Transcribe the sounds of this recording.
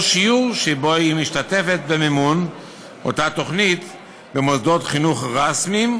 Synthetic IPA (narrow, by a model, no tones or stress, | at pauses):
ʃijuʁʃebo̞imiʃtate̞fe̞t̪bememun | ʔo̞̰tat̪o̞χnit̪ | bemozd̪o̞t̪χinuχʁasmim